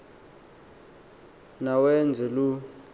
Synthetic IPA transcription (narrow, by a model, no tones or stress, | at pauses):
nawɛnd͡zʱɛlu